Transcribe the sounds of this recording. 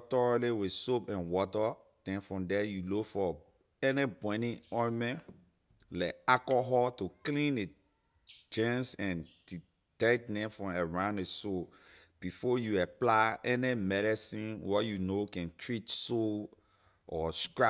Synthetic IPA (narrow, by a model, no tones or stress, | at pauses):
tɔɹaliwisopɛ̃nwɔtə | d̥ɛ̃nfɹɔ̃mdɛjulokfɔ | ɛnebɔ̃ɪ̃nĩŋɔ̃mɛ̃ | laɪkakɔɦɔtuklĩne | d͡ʒɛ̃nsɛ̃nd̥i | tɛt̚dɛ̃mfɹɔ̃mɛɹãʊ̃neso | b̥ifɔjuaplaɪʔɛnemɛɾɛsĩnwɔjunokɛ̃ntʰɹitso | ʔɔskɹa